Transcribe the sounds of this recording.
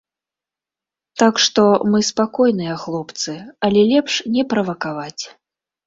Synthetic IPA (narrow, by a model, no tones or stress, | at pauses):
t̪akʂt̪ɔmɨspakɔjnɨjɐxlˠɔpt̪sɨɐlʲɛlʲɛpʂnʲɛpɾɐvɐkavat͡sʲ